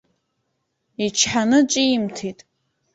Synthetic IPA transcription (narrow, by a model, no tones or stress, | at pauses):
it͡ʃʰħanɨt͡ʃʼiimtʰitʼ